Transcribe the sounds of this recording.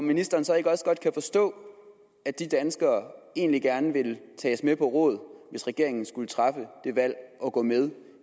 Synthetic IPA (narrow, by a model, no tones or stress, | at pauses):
ɒminisd̥ɐːnsɒ̽e̝ɡ̥əɒ̽sɡ̥ɒ̽d̥̚kʰæfɒ̽sd̥ɔ̰̽ː | æd̥id̥ænsɡ̥ɐːe̝̰ːnliɡ̥æɐnəʋe̝lt͡sʰɛ̰ːsmepʰɒ̽ʁɔ̽ːð̩ˠʋe̝sʁɛɡ̥e̝ɐ̰e̝ŋn̩sɡ̥ulət͡sʰʁɑ̈fəd̥e̝ʋæl̰ɒ̽ɡ̥ɔ̰̽ːmeð̞ˠ